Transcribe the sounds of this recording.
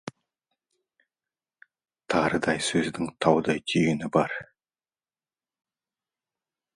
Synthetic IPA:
t̪ʰɑɾəd̪ɑjsɵzd̪ɪŋt̪ʰɑwd̪ɑjt̪ʰijɪnɪbɑɾ

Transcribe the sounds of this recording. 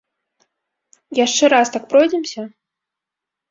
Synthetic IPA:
jaʂt͡ʂɛɾast̪ak̚pɾɔjd͡zʲɛmsʲɐ

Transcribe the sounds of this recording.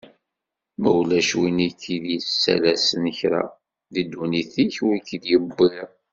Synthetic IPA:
mæwlæʃwinikːiðsːæ̰læsənəçɾa̰ | ðid̪ːuniθiçwikːiðjəbːi

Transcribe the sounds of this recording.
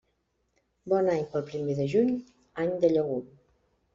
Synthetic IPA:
bɔnaɲpəlˠpɾimeðəʒuɲ | aɲd̪əʎəɣu

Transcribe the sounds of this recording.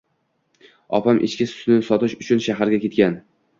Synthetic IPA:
ɒ̰pʰamʔḛt͡ʃkʲɪsʊ̥t̪nɪsɒt̪ɪʃʊt͡ʃʰʊnʃaɦaɾɡʲakʲe̞t̪̚kʲan

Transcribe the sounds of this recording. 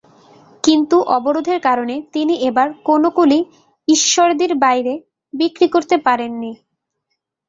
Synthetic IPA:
kint̪uʔɔboɾod̪ʱeɾkaɾonet̪iniebaɾkonokuli | iʃːoɾd̪iɾbajɾe | bikɾikoɾt̪epaɾenːi

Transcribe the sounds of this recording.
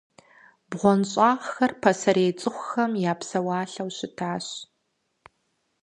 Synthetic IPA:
bʁʷɔnɕʼɑːʁxɐrpʰɐsɐɾeːt͡sʼɨχʷʊxɐmjaːpsɐwɑːɬɐwɕɪtʰaːɕ

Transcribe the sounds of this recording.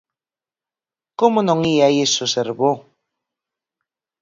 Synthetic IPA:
komonõŋiaiesoseɾβo

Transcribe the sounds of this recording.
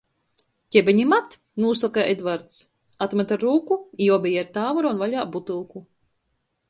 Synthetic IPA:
cʲɛbʲɛɲimat̪ | nuːsɔkaʔed̪vaɾt̪s | at̪mɛt̪aɾuːkuiɔbɛjaɾt̪aːvɔɾaunvaʎaːbut̪ulˠku

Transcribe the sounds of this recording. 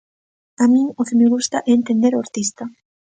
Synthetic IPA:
amĩŋokemeɣ̞ust̪aʔɛːnt̪end̪eɾoaɾt̪ist̪a

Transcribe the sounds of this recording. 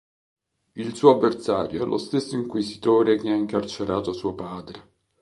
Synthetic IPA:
ilsuːoavːersaːɾjoɛlːʔost̪esːoiŋkuisit̪oːɾek̟eaiŋkart͡ʃeɾaːt̪osuːopaːd̪ɾe

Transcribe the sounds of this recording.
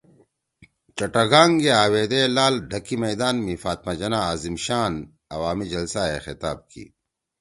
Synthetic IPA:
t͡ʃɐʈɐɡaːŋɡeaːweːd̪elaːlɖʱɐkimɐjd̪aːnmifaːt̪mad͡ʑɐnaaːzimɕaːn | ɐwaːmid͡ʑɐlsaexɪt̪aːb̚kḭ

